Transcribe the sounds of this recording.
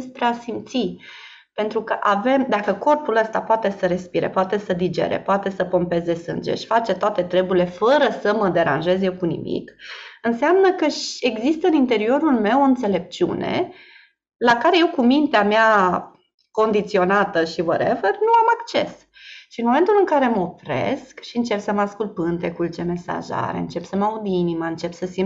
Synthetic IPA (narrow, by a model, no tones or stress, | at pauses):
spɾeasimt̪si | pe̞nt̪ɾukəʔave̞md̪akəko̞rpuləst̪apoat̪e̞səɾe̞spiɾḛpoat̪e̞səd̪id͡ʒe̞̰ɾḛpoat̪e̞səpo̞mpe̞zd̪e̞sɨ̰nd͡ʒḛʃi̥fat͡ʃe̞t̪oat̪e̞t̪ɾe̞bule̞fəɾəsəməd̪e̞ɾa̰nʒe̞zje̞wkunḭmḭkɨnseamnəkəʃe̞ɡzist̪əɨnint̪e̞ɾio̞ɾulme̞woɨnt̪se̞le̞p̚t͡ʃiṵne̞̰ | lakaɾe̞je̞wkumint̪eamea | ko̞nd̪it̪sio̞nat̪əʃivəɾevernuamakt͡ʃe̞̰s | ʃiɨnmome̞nt̪ulɨŋkaɾe̞məofɾe̞̰skʃiɨnt͡ʃe̞psəmaskulpɨnt̪e̞kult͡ʃe̞me̞sa̰ʒa̰ɾeɨnt͡ʃe̞psəmaud̪inimaɨnt͡ʃe̞psəsim